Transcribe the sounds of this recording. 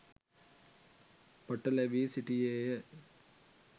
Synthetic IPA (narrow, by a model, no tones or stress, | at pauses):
pɐʈːɐlɐʋisiʈːie